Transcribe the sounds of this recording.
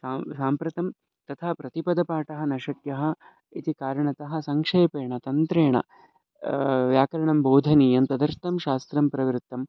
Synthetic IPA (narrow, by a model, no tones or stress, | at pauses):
saːsaːmpɾɐt̪ɐm | t̪ɐt̪ʰaːpɾɐt̪ipɐd̪ɐpaːʈɐɦɐnɐʃɐkjɐɦɐ̆ | it̪ikaːɾɐɳɐt̪ɐɦɐ̆sɐŋkʂeːpeːɳɐt̪ɐnt̪ɾeːɳɐ̰ | ʋjaːkɐɾɐɳɐmboːd̪ʱɐniːjɐmt̪ɐd̪ɐɾt̪ːɐmʃaːst̪ɾɐmpɾɐʋɾut̪ːɐm